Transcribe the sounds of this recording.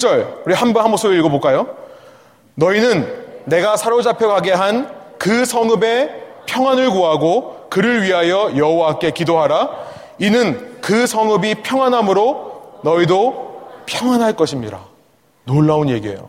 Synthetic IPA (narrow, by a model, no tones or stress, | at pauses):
t͡ɕ͈ʌɭuɾihambʌnɦamosʰobiiɭɡʌbok͈ajo | nʌinɯnːe̞ɡasʰaɾod͡ʑapʰjekaɡe̞ɦankɯsʰʌŋɯbe̞pʰjʌŋwanɯɭkuɦaɡokɯɾɯɭɥiɦajʌjʌɦowaak͈e̞kidoɦaɾa | inɯnkɯsʰʌŋɯbipʰjʌŋwanɦamɯɾonʌidopʰjʌŋwanɦaɭk͈ʌɕʰimɲiɾa̰ | noɭːaonje̞ɡie̞̰jo̰